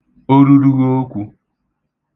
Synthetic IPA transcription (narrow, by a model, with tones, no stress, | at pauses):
o˦ɾu˦ɾu˦ɣo˦kʷu˦